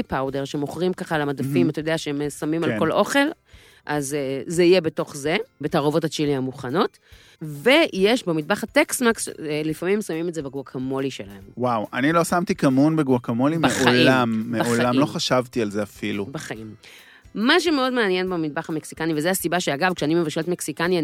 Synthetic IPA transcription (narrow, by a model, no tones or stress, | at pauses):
ipawdeʁʃemoχʁimkaχalamadafimat̪ajo̞deaʃeemsamimalko̞lʔo̞χe̞l | ʔazezeijebe̞to̞χze̞betaʁovo̞tat͡ʃiliamuχano̞t | ve̞jeʃbemid̚baχateksmakslifamimsamimetzebeɡuakʰamo̞liʃelahe̞mwawanilo̞samt̪ikamunbeɡwakamolimbeoliamːeolamloχaʃavt̪ialzeafilubeχaim | maʃ̬umeo̞dmeanjenbemid̚baχameksikanivezeasibaʃeaɡavkʃeanimevaʃelet̪meksikania